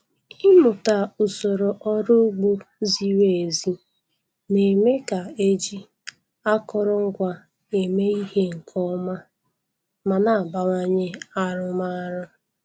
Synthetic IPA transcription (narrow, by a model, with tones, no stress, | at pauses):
ɪ˦mʊ˨ta˨ʊ˨so˨ɾo˨ʔɔ˦ɾʊ˦ɡ͡bu˦zi˦we˨e˨zi˦ | ne˨me˦ka˨e˦d͡ʒi˦ | a˦kɔ˦ɾɔ˦ŋ̩˦ɡʷa˨ | e˨me˦i˦he˦ŋ̩˨kʰɔ˦ma˦ | ma˨na˨a˨ba˨ŋa˦ɲe˦a˦ɾʊ˦ma˦ɾʊ˦